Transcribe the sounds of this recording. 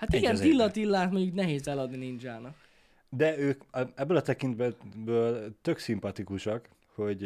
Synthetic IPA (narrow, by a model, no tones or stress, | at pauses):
hat̪iɡɛnt̪ilːɒt̪ilːaːt̪moɲɟuknɛɦeːzɛlɒd̪ninind͡ʒaːnɒ | d̪ɛøːkɛbːøːlɒt̪ɛkint̪bɛbøːlt̪ø̞ksimpɒt̪ikuʃɒk | ho̞ɟ